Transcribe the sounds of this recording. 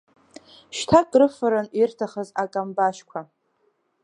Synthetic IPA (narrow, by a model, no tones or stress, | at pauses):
ʃtʰakʼrɨfɨɾanirtʰaχəzakʼambaʃkʷʰa